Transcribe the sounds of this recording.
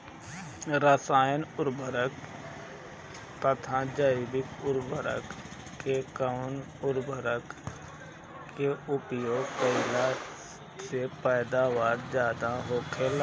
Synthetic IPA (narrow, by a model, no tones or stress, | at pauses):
ɾəsaːjənʊɾbəɾək | t̪ət̪ʰad͡ʒaɪbɪkʊɾbəɾə̰k | kekan | ʊɾbəɾək | keʊpjoːɡkəɪla | sepɛːd̪aːʋaːɾd͡ʒjaːd̪aɦoːkʰel